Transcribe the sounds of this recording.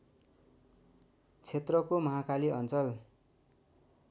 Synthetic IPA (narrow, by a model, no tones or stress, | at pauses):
t͡sʰet̪rʌkomʌɦakaliʌnt͡sʌl